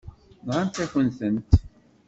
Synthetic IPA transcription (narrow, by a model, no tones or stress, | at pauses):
nʁant̪æçənθənt̪